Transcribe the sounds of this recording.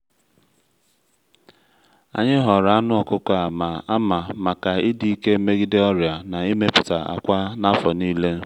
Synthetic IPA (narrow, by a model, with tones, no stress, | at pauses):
a̰˨ɲɪ˦ɦɔ˨ɾa˨a˦nʊ˦ɔ˨kʊ˦ka˨ma˨a˦ma˨ma˨ka˨ɪ˦di˦ke˦me˦ɡi˦de˦ɔ˦ɾja˨na˨i˦me˦pʊ˨ta˨a̰˨kʷa˦na˦fɔ˨niː˦le˦